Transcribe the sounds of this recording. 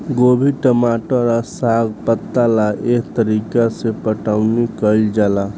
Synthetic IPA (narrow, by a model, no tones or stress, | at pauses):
ɡobʱiʈəmaʈəɾasaɡpət̪ːalaʔekʰt̪əɾikasepəʈawnikəld͡ʒala